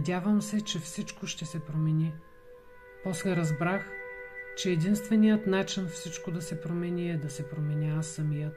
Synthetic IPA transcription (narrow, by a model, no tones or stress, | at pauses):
nɐd̪ʲjavəmsɛt͡ʃɛfsit͡ʃkoʃt̪ɛsɛpɾomɛni | pɔslɛɾɐzbɾaxt͡ʃɛːd̪inst̪vɛnʲijət̪nat͡ʃinfsit͡ʃkod̪ɐsɛpɾomɛnʲiɛd̪ɐsɛpɾomɛniasːɐmijət̪